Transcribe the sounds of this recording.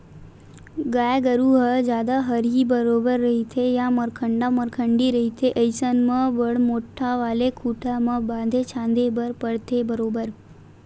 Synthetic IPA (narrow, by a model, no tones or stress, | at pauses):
ɡajɡəɾuɦəd͡ʒjaːd̪aɦəɾɦibəɾobəɾːəɦit̪ʰejaməɾkʰəɳɖaməɾkʰəɳɖiɾəɦit̪ʰeʔəjsənmə̃ʋəɽmoʈʰːaʋaːlekʰuʈʰamãbãnd̪ʱet͡ʃʰãːnd̪ʱebəɾpəɽt̪ʰebəɾobəɾ